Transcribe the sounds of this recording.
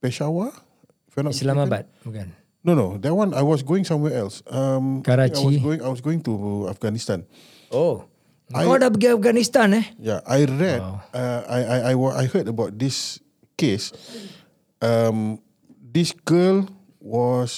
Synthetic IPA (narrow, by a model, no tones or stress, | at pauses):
pɛʃawa | fɛnaslamabat̪̚aɡan | nonodɛt̚wãnajwɔs̬ɡoɪ̃ŋsãmwɛɛlsamkaɾaajiwɔsɡoĩŋajwɔsɡoɪ̃ŋtuafɡanist̪ãn | o | aɔdabəɡiafɡanist̪anɛjaʔajɹɛaajajajwɔa̰jhədəbaʊt̚dis | kes | ʌm | disɡəl | wɔs